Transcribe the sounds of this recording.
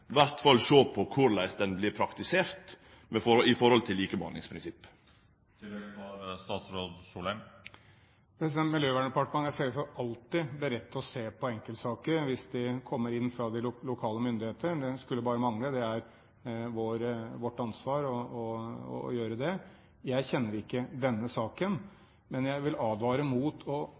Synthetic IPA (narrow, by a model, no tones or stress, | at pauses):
ɪʋæɾt̪fɑlʃoːpʰɔkʰʊɾlæɪsd̪ɛnblɪɾpʰɾɑkt̪ɪseːɾt̪ | mɛfɔɪfɔɾhɔlt̪ʰɪlːiːkəbɑ̰ːnɪ̰ŋspʰɾɪnsɪpː | t̪ʰɪɛɑɾst̪ɑːt̪sɾoːd̪suːlən | pʰɾɛs̬ɪd̪ɛnmɪljøːʋæːɳəpɑʈəmɑnæsɛsɔʔɑlt̪ɪblɪɾɛt̪ːəɔseːpʰɔɛŋkəlsɑːkəɾʋɪsd̪ɪkʰɔmːəɾɪnːfɾɑd̪ɪlʊkʰɑːləmʏnd̪ɪheːt̪ʰəɖ̪ɛskʉlːəbɑːɾəmɑŋləd̪ɛæɾ | ʋoːɾʋɔʈːɑnsʋɑːɾɔɔɔ̰jøːɾəd̪ɛ | jæɪçɛnːəɾɪkːəd̪ɛnːəsɑːkən | mɛnjæɪʋɪlɑːd̪ʋɑːɾəmuːt̪ʰɔ